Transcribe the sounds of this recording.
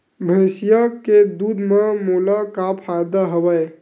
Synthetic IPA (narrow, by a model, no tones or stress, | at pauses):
bʱə̃sijaked̪ud̪memulakapʰajd̪aɦəwəj